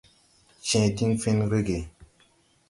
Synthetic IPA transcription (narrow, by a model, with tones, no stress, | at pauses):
t͡ʃɛ̃˨ti˦nfe˦nɾe˦ɡe˨